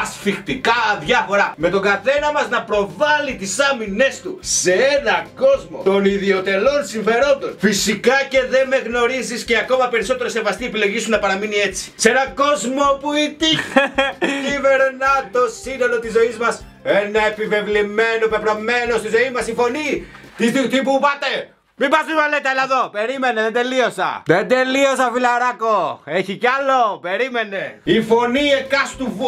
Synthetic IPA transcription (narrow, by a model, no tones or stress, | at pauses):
ɐsfixt̪ikɐðʝɐfo̞ɾɐme̞t̪o̞ɡɐθe̞nɐmɐznɐpɾo̞vɐlit̪isɐmine̞st̪use̞enɐko̞zmo̰t̪o̞niðio̞t̪e̞lo̞nsiɱfe̞ɾo̞nd̪o̞nfisikɐce̞ðe̞me̞ɣno̞ɾizisce̞ɐko̞mɐpe̞ɾiso̞t̪e̞ɾose̞vɐst̪iepile̞ʝisunɐpɐɾɐminie̞t͡si̥se̞nɐko̞zmo̞puit̪i | ive̞ɾnɐt̪o̞sinolo̞t̪izo̞izmɐs | enɐepive̞vlimenopepɾɐme̞no̞st̪izo̞imɐsifo̞ni | t̪iit̪ipupɐt̪e | mibɐzmimɐlet̪ɐelɐðo̞pe̞ɾime̞neðed̪e̞lio̞sɐ̰ðend̪e̞liosɐfilɐɾɐkoe̞çicɐlo̞pe̞ɾime̞ne̞ifo̞niekɐst̪uv